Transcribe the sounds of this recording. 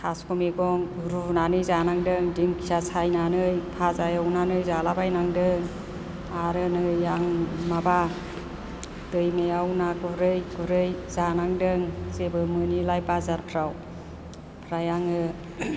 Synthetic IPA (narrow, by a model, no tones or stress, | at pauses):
kʰaskɔmiɡɔŋ | ɾunanɯjzanaŋdɯŋdiŋkʰijasʰajnanɯjpʰazajawnanɯjzalabajnaŋdɯŋ | aɾɯnɯaŋmaba | dɯjmejawnaɡuɾɯjɡuɾɯjzanaŋdɯŋzebɯmɯnilajpazaɾpʰɾaw | pʰɾajaŋɯ